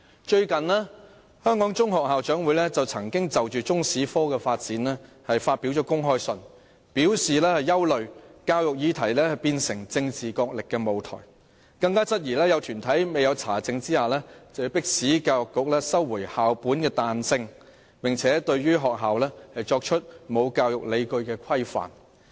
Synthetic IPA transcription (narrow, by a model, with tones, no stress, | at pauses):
t͡ʃɵ˧ɥkɐ˨nlɛː˥ | hœː˥ŋkɔː˨˥ŋt͡sʊ˥ŋɦɔː˨k̚ɦaː˨wt͡ʃœː˨˥ŋwu˨˥jlɛː˥t͡sɐ˨wt͡sʰɐ˨˩ŋkɪ˥ŋt͡sɐ˨wt͡ʃyː˨t͡sʊ˥ŋsiː˨˥fɔː˥kɛː˧faː˧t̚t͡siː˨˥nlɛː˥ | hɐ˨jfaː˧t̚pi˨˥wt͡ʃɔː˨˥kʊ˥ŋɦɔː˥jsɵ˨n | piː˨˥wsiː˨lɛː˥hɐ˨jːɐ˥wlɵ˨ɥkaː˧wjʊ˨k̚jiː˧t̪ʰɐ˨˩jlɛː˥hɐ˨˩jpiː˧nsɪ˨˩ŋt͡sɪ˧ŋt͡siː˨˩kɔː˧k̚lɪ˨kːɛː˧mo˨wt̪ʰɔ̰ː˨˩j | kɐ˧ŋkaː˥t͡sɐ˥t̚jiː˨˩lɛː˥jɐ˨˧wt̪ʰyː˨˩nt̪ʰɐ˨˥jme˨jɐ˨˧wt͡sʰaː˨˩t͡sɪ˧ŋt͡siː˥haː˨lɛː˥t͡sɐ˨hpɪ˥k̚siː˨˥kaː˧wjkːʊ˨k̚lɛː˥sɐ˥wːuː˨˩jhaː˨wpuː˨˥nkɛː˧t̪aː˨˧nsɪ˧ŋ | pɪ˨ŋt͡sʰɛː˨˥t̪ɵ˧ɥɥyː˥ɦɔː˨k̚ɦaː˨wlɛː˥hɐ˨jt͡ʃɔː˧k̚t͡ʃʰɵ˥t̚mo˨˧wkaː˧wjʊ˨k̚le˨˧jkɵ˧ɥkɛː˧kʷʰɐ˥jfa̰ː˨˩n